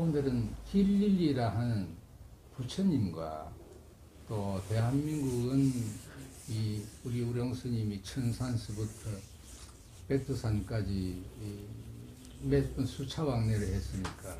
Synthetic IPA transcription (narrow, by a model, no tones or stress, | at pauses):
undɯɾɯnkiʎːiʎːiɾaɦanɯn | put͡ɕʰʌɲimɡwa̰ | t͈ote̞ɦanmiŋɡuɡɯn | iuɾiuɾjoŋsʰɯɲimit͡ɕʰɯnsʰansʰɯbutʰʌ | petʰɯsʰank͈ad͡ʑi | mep͈ɯnsʰut͡ɕʰawaŋneɾɯɭhe̞s͈ɯmɲik͈a